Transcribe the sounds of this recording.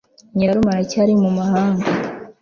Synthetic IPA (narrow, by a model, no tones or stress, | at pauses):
ɲaɾumaɾacaɾimumahaːŋɡa